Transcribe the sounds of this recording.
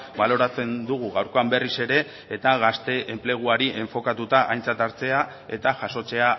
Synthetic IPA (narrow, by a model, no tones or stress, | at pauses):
balo̞ɾat͡se̞nd̪uɣ̞uɣawɾko̞ambe̞rise̞ɾe̞ː | t̪aɣast̪e̞ʔemple̞ɣ̞uaɾiʔe̞ɱfo̞kat̪ut̪aʔajnt͡sat̪aɾt͡se̞a | e̞t̪aʝaso̞t͡se̞a